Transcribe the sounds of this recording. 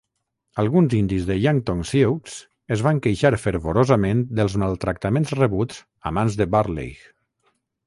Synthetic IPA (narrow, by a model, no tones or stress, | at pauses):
alˠɣunzind̪izðəʎaŋt̪oŋsiws | əzβaŋkəjʃaɾfəɾβoɾozəmend̪əlˠzmalˠt̪ɾak̚t̪amẽnzrəβut͡s | a̰manzðəbaɾlḛjx